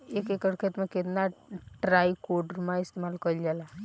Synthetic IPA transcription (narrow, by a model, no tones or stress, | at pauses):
ekekəɽkʰet̪maket̪naʈɾajkoɖɾmaist̪emalkəld͡ʒɛla